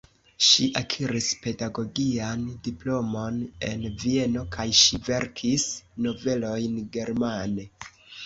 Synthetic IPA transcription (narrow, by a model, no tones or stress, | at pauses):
ʃiʔakʰiɾispe̞daɡo̞ɡiandiplo̞mo̞ne̞̰nvie̞no̞kʰajʃive̞ɾkʰisno̞ve̞lo̞jnɡe̞ɾmane̞